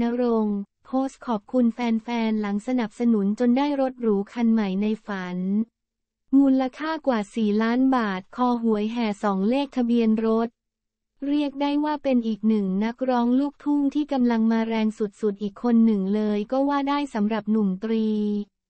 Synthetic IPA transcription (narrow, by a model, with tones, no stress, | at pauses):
na˦˥ɾo˧ŋpʰoː˦˥st̪̚kʰɔː˨˩p̚kʰu˧nfɛː˧nfɛː˧nla˩˦ŋsa˧na˨˩p̚sa˧nu˩˦nt͡ɕo˧ndaː˥˩jɾo˦˥t̪̚ɾuː˩˦kʰa˧nma˨˩jna˧jfa˩˦n | muː˧nlla˧kʰaː˥˩kwaː˨˩siː˨˩laː˦˥nbaː˨˩t̪̚kʰɔː˧ɦu˩˦əjɦɛː˨˩sɔː˩˦ŋleː˥˩k̚t̪ʰa˧bi˧ənɾo˦˥t̪̚ | ɾi˥˩ək̚daː˥˩jwaː˥˩pe˧nʔiː˨˩k̚nɯ˨˩ŋna˦˥k̚ɾɔː˦˥ŋluː˥˩k̚t̪ʰuː˥˩mt̪ʰiː˥˩ka˧mla˧ŋmaː˧ɾɛː˧ŋsu˨˩t̪̚su˨˩t̪̚ʔiː˨˩kʰːo˧nːɯ˨˩ŋlɤː˧jkɔː˥˩waː˥˩daː˥˩jsa˩˦mɾa˨˩p̚nu˨˩mt̪ɾiː˧